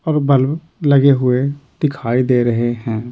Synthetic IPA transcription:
ɔːɾbʱəl | lɐɡeɦʊed̪̥ɪkʰaːid̪eːɾɐɦeɦɛ̃ː

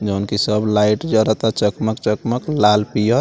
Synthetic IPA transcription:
d͡ʒəunkisəblaiʈd͡ʒəɾət̪at͡ʃəkməkt͡ʃəkməklalpijə

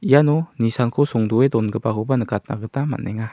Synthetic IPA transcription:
ʔijanɔnisankʰosɔŋduedɔnɡəpaɡobanəkat̪̚na̰ɡətama̰nːeŋa

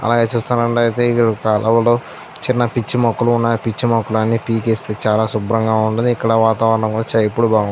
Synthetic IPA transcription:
ɐ̰laːɡe̞ːt͡ʃuːst̪aːnɐɳɖɐjt̪e̞ːikːɽkalʔɐʋɐloː | t͡ʃinːɐpit͡ʃːimɐkːuluːnːɐpit͡ʃːimɐkːulanːipiːkest̪eːt͡ʃaːlaːsubɾɐŋɡaːuɳʈund̪iikːɐɽɐʋaːt̪aːʋɐɾɐɳɐŋkuːɽat͡ʃɐjepːuɽubaːɡu

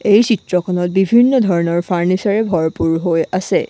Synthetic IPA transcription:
ejsitɹɔkʰɔnɔt̚bibʱinːɔdʱɔɹɔnɔɹpʰaɹnisaɹɛbʱɔɹpuɹɦojasɛ

